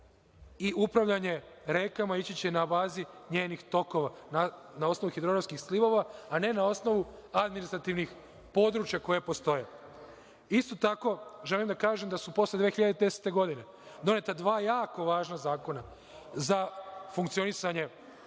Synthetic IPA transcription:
iʔupɾaʋʎaɲe̞ɾe̞kamait͡ɕit͡ɕenabaːziɲe̞ːnixt̪o̞ko̞ʋananao̞sno̞ʋuxid̪ɾoɡɾamskixsliʋo̞ʋaːne̞nao̞sno̞ʋu | ad̪minist̪ɾat̪iʋnix | po̞d̪ɾuːt͡ʃjako̞jepo̞st̪o̞je | ist̪o̞t̪ako̞ʒelimd̪akaːʒemd̪asupo̞sled̪ʋeːxiʎad̪ed̪ese̥t̪e̞ɡo̞d̪ine̞ | d̪o̞net̪ad̪ʋaːjaːko̞ʋaːʒnazaːko̞na | zafuŋkt̪sio̞nisaɲe̞

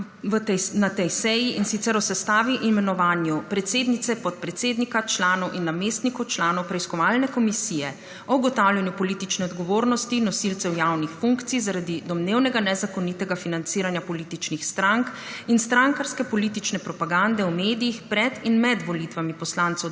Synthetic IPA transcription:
ʋət̪nat̪ɛjsɛjiinsit̪sɛɾɔsɛst̪aːʋiʔimɛnɔʋaːnjupɾɛt̪seːd̪nit̪sɛpɔt̪̚pɾɛt̪seːd̪nikat͡ʃlaːnɔwʔinːameːst̪nikɔwt͡ʃlaːnɔwpɾɛiskɔʋaːlnɛkɔmisijɛ | ɔwɡɔt̪awljɛnjupɔliːt̪it͡ʃnɛɔd̪ɡɔʋoːɾnɔst̪inɔsilt̪sɛwjawnixfuŋkt̪sijzaɾad̪id̪ɔmneːwnɛɡanɛzakɔnit̪ɛɡafinant̪siːɾanjapɔliːt̪it͡ʃnixst̪ɾaŋk | inst̪ɾaŋkaɾskɛpɔliːt̪it͡ʃnɛpɾɔpaɡand̪ɛwmeːd̪ijixpɾɛd̪inmɛd̪ʋɔlit̪ʋamipɔslant̪sɔ

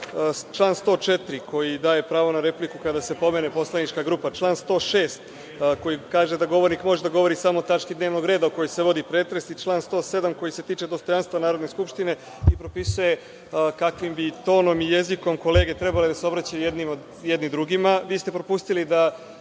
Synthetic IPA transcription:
t͡ʃlˠaːnst̪o̞ːt͡ʃet̪ɾiko̞jid̪aːje̞pɾaːʋo̞naɾe̞plikukad̪ase̞po̞me̞nepo̞slˠanit͡ʃkaɡɾuːpat͡ʃlˠaːnst̪o̞ːʃe̞ːst̪ | ko̞jikaːʒe̞d̪aɡo̞ʋo̞ɾnikmo̞ʒed̪aɡo̞ʋo̞ɾisamo̞ːt̪at͡ʃkid̪neːʋno̞ɡɾeːd̪aoko̞jojse̞ʋo̞d̪ipɾeːt̪ɾe̞sit͡ʃlˠaːnst̪o̞ːse̞d̪amko̞jise̞t̪iːt͡ʃe̞d̪ost̪o̞janst̪vʋanaːɾod̪neskupʃt̪ine̞ | ipɾo̞pisuje̞ | kakʋimbit̪o̞ːno̞mijeziko̞mko̞leːɡe̞t̪ɾe̞baled̪aseo̞bɾat͡ɕajujed̪nimo | jed̪nid̪ɾuɡimaʋiːst̪e̞pɾo̞pust̪ilid̪a

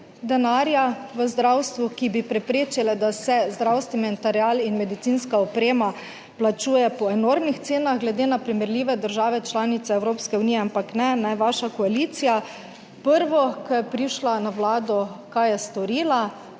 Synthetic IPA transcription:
d̪ɛnaːɾjaʋəzd̪ɾawst̪ʋukibipɾɛpɾeːt͡ʃilɛd̪asɛzd̪ɾawst̪ʋɛmɛnt̪aɾialinmɛd̪it̪sinskaɔpɾeːma | plat͡ʃuːjɛpɔɛnoːɾmnixt̪seːnaɣɡlɛd̪eːnapɾimɛɾlʲiʋɛd̪əɾʒaːʋɛt͡ʃlaːnit̪sɛɛwɾoːpskɛuniːɛampaknɛnɛʋaːʃakɔaliːt̪sija | pəɾʋɔkɛpɾiʃlanawlaːd̪ɔkajɛst̪ɔɾiːla

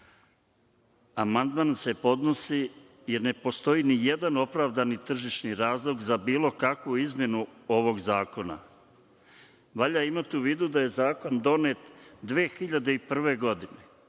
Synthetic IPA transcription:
amand̪maːnse̞po̞d̪nosi | je̞ɾne̞po̞st̪o̞iːnije̞d̪ano̞pɾaːʋd̪anit̪r̩ʒiʃniɾaːzlˠoɡzabiːlo̞kakʋuizmje̞nuo̞ʋo̞ɡzaːko̞na̰ | ʋaʎaimat̪iuʋiːd̪ud̪aje̞zaːko̞nd̪o̞ne̞t̪d̪ʋeːxiʎad̪e̞ipr̩ʋe̞ɡo̞d̪ine̞

